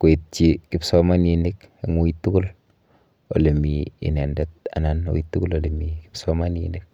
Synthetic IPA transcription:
kwe˨t̚t͡ʃikɪpsɔma˦njinike˨ŋo˦itːu˦kʊ˦l | o̰˨le˨miḭ˨nɛ˨ndɛt̚a̰˨nano̰˨itːu˦ku˦lo˨le˨miki̥psɔma˦njḭnɪk̚

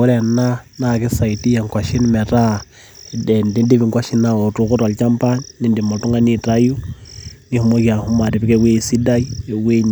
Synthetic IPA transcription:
u˦ɾɛ˨na˦naki˦sa˨i˨ti˦ja˨ŋkwa˨ʃi˦n˦mɛ˨ɾa˦ | dɛ˨ndi˦ndi˦βi˨ŋkwa˦ʃi˦na˦o˨tu˨ku˦ɾa˨lt͡ʃa˦mpa˦nːi˦ndi˨mo˨tu˦ŋɡa˦ni˦ta˦ju˦ni˦hu˨mo˦kja˨hu˦ma˨ti˨pi˦kɛ˦we˦˨si˦da˦i˦e˨we˦ɲ

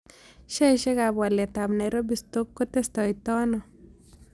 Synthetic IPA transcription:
ʃɛ˦iʃe˦ka˨bwa˨lɛ˨ta˨bnɛɾo˦bisto˦kːo˦te˦stɔ˨itɔ˦nɔ˨

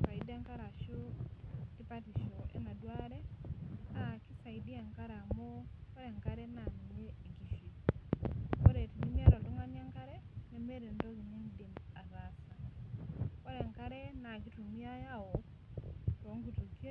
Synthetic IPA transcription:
sa˨i˨da˦ŋka˦ɾa˨ʃo˦ti˦pa˦ti˨ʃo˨ʔɛ̰˦na˨dwa˦ɾɛ˦ | a˨kɪ˦sa˨idi˦a˨ŋka˦ɾa˨mo˦ka˦ɾɛ˨ŋkaɾɛ˦na˨n˨ɲe˦e˨ɡi˨ʃi˨ | ko˦ɾe˨ti˨ni˦mi˦a˦ɾɔ˨lʊ˦ŋa˦ni˦a˦ŋka˦ɾɛ˦nɛ˨me˦ɾe˨ndɔ˦ɡi˨ɲe˦nde˨ma˨za˨sa˨ | ka˦ɾɛ˨ŋka˦ɾɛ˦na˨ki˦tu˨mi˦a˦ja˦ɔ˨ | tɔ˨˦ŋɡu˨to˨ke˦

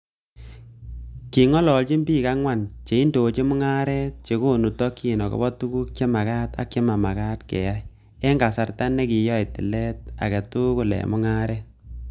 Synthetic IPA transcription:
ki˨ŋɔ˦lɔ˨lt͡ʃi˦mbiː˦˨ka˦ŋwa˦˨nt͡ʃe˨i˦ndo˨t͡ʃe˦mʊ˦ŋa˦ɾɛ˦t͡ʃe˨ko˦˨nu˨tɔ˦kːi˨nɔ˨kɔ̰bɔ˦tu˦ku˦k̚t͡ʃe˦ma˨ka˦ta̰˦kːe˦ma˨ma˨ka˦tkɛ̰˨ja˦ | e˦ŋɡa˨sa˨rta˦ne˦ki˨jɔ˦i˨tɪ̰˨lɛ˦t̚a̰˨ke˨tu˦ku˨lɛ̰˨mʊ˦ŋa˦ɾɛ˦

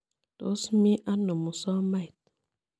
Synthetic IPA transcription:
to̰˨˦smi˦ʔa˦nːo˨mu˨sɔ˦ma˦jt̚

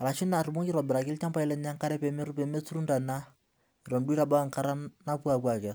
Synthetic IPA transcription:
a˨ɾa˨ʃi˦na˨ru˨mu˦ŋi˦ɾɔ˨bɪ˨ɾa˨kɪ˦lt͡ʃa˦mpa˦i˦lɛ˨n˦a˦ŋka˦ɾɛ˦pɛ˨me˦ɾu˦pɛ˨me˦t͡su˦ɾu˦nda˨na˦ | i˨ɾɔ˨mdi˦ɾa˨ba˦a˨ŋka˦ɾa˦na˦pu˦a˨kwa˨kɛ˨

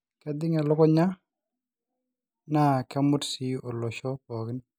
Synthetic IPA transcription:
kɛ˦d̪ɪ˦ŋɛ˨lɔ˦kɔ˦ɲa˦ | na˦˨kɛ˦mʊ˦tsi˦o˨lɔ˨ʃɔ˦kɔ˨ɡɪ˦n

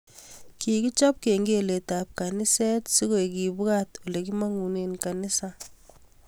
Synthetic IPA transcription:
ki˨ki˦t͡ʃɔ˦p̚ke˨ŋɡe˦le˨ta˨p̚ka˨ni˦sɛ˦tsi˦ko˦˨e˨ki˨bu˦ka˦to˨le˨k̬i˦ma˦ŋu˨ne˨nka˨ni˦sa˨

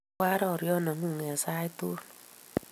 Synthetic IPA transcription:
a˦ɾɔ˨ɾjɔ˦na˨˦ŋu˦˨ŋ˨a˨sa˦jt̪u˦

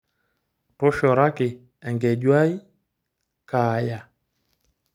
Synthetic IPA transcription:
tʊ˦ʃɔ˨ɾa˦kɪ˨ | ɛ˨ŋɡɛ˨ɟwa˦i˦ | ka˨ja˨

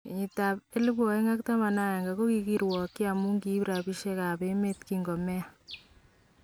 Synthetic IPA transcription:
ɲi˨ta˨p̚e˦li˦bɔ˨e˦ŋa˦k̚ta˦ma˨na˦ja˨ŋɡa˨ko˦ki˨ki˦ɾwɔ˨kːi˦a˨mu˦ŋɡi˦pɾa˨pi˦ʃe˦ka˨pe˦me˦tkiŋɡɔ˨mɛ˦a

